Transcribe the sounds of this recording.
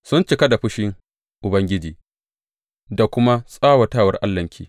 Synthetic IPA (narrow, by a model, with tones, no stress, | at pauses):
sʊ˦nt͡ʃɪ˦ka˦da˨ɸʊ˦ʃɪ˦ŋ | ʔʊ˨bɐ˦ŋɡʲɪ˦d͡ʒiː˨ | da˨kʷʊ˦ma˦sʼaː˦wa˨taː˦˨wɐ˦rʔa̰˦lːɐ˨ŋkʲʰḭː˦